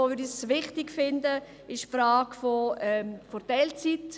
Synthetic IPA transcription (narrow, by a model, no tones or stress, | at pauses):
oːʋʏɾdisʋɪχtɪkfɪndə | ɪʃpfɾaːɡ̥foɛfoɾd̥ɛlt͡sit